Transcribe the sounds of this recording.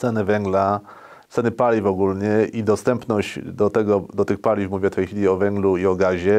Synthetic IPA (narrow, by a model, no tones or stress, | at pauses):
t̪sɛnɘvɛŋɡla | t̪sɛnɘpalʲivɔɡulɲɛid̪ɔst̪ɛmpnɔʑd͡ʑd̪ɔt̪ɛɡɔd̪ɔt̪ɘxpalʲifmuvʲɛft̪ɛjxfʲilʲiɔvɛŋɡluiɔɡaʑɛ